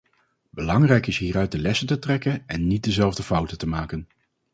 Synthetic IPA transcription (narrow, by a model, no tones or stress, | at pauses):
bəlɑŋrɛjkɪsɦiːɾœɥt̚dəlɛsəntətrɛkənɛnːit̚dəzɛlˠvdəfʌwtətəmaːkən